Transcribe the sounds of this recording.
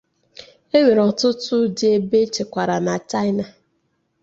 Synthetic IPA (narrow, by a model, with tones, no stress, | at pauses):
e˦we˨ɾɔ˨tʊ˦tʊ˦de˦be˦t͡ʃe˨kʷa˨ɾa˨na˨t͡ʃa˦ɪ˦na˨